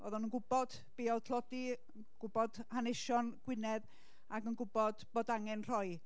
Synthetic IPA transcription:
ɔ̰ðɔnənɡʊbɔd̥ | b̥eːɔlˠtʰl̥ˠɔdi | ɡ̥ʊbɔd̥hanɪʃɔnɡ̥wɪnɛð | aɡənɡʊbɔd̥b̥oːdaŋɛnr̥ɔj

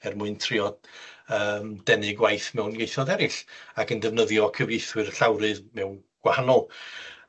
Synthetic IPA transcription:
ɛrmʊɨntʰrɪɔdəːmdɛnɨɡwajθmɛwnɡejθɔðɛɾɪɬakəndɛvnəðjɔkʰəvejθwɨrɬawɾɨðmɛwn | ɡ̥wahanɔlˠ

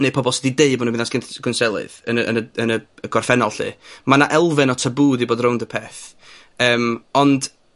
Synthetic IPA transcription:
neɨpʰɔbɔlˠsɛdideɨbmɔñbɪnasɡ̥ɪnɡ̥ʊnsɛlˠɨ̰ðənəə̰nəənəəɡ̥ɔrfɛnɔlˠɬɨ̰manaʔɛlˠvɨnɔtʰəbuːdiboːdrowndəpʰɛːθ | əːmɔnd̥

